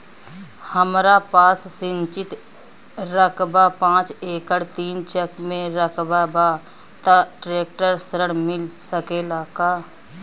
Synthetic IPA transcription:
həmɾapaːsːɪ̃nt͡ʃɪt̪ | ɾəkʰbapãːt͡ʃeːkəɽt̪iːnt͡ʃəkmẽɾəkʰbaba | t̪aʈɾeːk̚ʈəɾsəɾəɽmɪlsəkelaːkaː

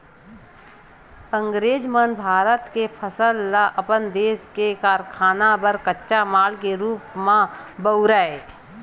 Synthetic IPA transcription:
ə̃ŋɡɾeːd͡ʒmənbʱaːɾət̪kepʰəsəlːaʔəpənd̪eːskekaːɾkʰaːnabəɾkətːʃamaːlkeɾuːpmãbəʊɾae

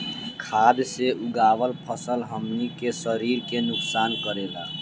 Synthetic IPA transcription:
kʰad̪seʔuɡaʋəlpʰəsəlɦəmnikesəɾiɾkenʊksankəɾela

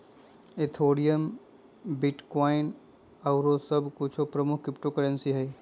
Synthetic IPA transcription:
et̪ʰoːɽijəm | bɪʈkɔːɪn | ɐʊɾosɐbkʊt͡ʃʰopɾəmʊkʰkɾɪpʈokəɽə̃nsiɦɛː

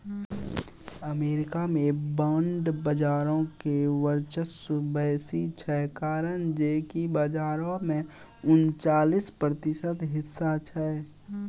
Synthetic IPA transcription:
əmeːɾɪkamẽbə̃ɳɖbəd͡ʒaːɾõkeʋəɾt͡ʃəsbɛːsit͡ʃʰɛkaːɾənd͡ʒeːkibəd͡ʒaːɾõmẽ | ʊnt͡ʃaːlispɾət̪ɪʃət̪ɦɪsːat͡ʃʰɛ

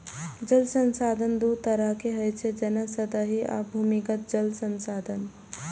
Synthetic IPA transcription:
d͡ʒəlsənsaːd̪ʱənd̪ut̪əɾəɦkeɦəjt͡ʃʰed͡ʒənəsəd̪əɦia̰bʱuːmikət̪̚d͡ʒəlsənsaːd̪ʱən

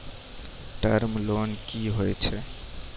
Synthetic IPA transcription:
ʈəɾmlonkiɦojt͡ʃʰɛ

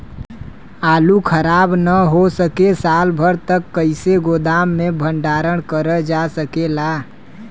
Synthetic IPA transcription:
aːlukʰəɾaːbnəɦosəkesaːlbʱəɾt̪əkːəɪseɡod̪aːmːẽbʱəɳɖaːɾəɽ̃kəɾəd͡ʒasəkelaː

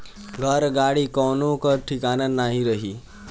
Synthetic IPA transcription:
ɡʱəɾɡaɽiːkɔnokəɾʈʰikanənaɦiɾəɦiː

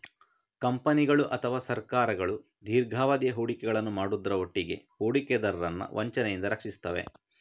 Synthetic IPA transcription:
kɐmpɐniɡɐɭuʔɐt̪ʰɐʋaːsɐɾkaːɾɐɡɐɭu | d̪ʱiːɾɡʱaːʋɐd̪jɐɦuːɽikɛɡɐɭɐnːumaːɽud̪ɐɾɐoʈːiɡe̞̰huːɽikɛd̪ɐɾɐɾɐnːɐ̰ʋʔɐɲt͡ʃɐnɛjind̪ɐɾɐkʂist̪ɐʋḛ

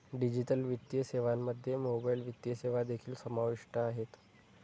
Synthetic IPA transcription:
ɖid͡ʑiʈəlʋit̪ːjəseʋamːəd̪ʱːjemobajlʋit̪jəseʋad̪ekʰiːlsəmaʋiʂʈəaɦet̪

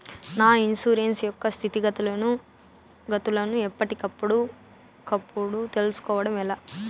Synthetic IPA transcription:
naːinsuːɾensjɔkːɐst̪ʰit̪iɡɐt̪ulɐnu | ɡɐt̪ulɐnuɛpːɐʈikɐpːuɽu | kɐpːuɽut̪e̞lusu̥kɔːʋɐɽɐmɛlaː

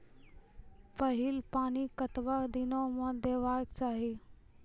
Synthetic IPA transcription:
pəɦɪlpaːnikət̪ʋaːd̪ɪnõːmãːd̪eːʋaːjəkt͡ʃaːɦiː

